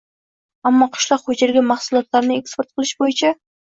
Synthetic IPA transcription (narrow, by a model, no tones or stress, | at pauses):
amːɒqʰʊ̥ʃlˠɒqhod͡ʒeɾɡʲamaχsʊlˠɒt̪laɾnɪe̞kspoɾt̪̚qʰɨlˠɪʃbojɪt͡ʃʰa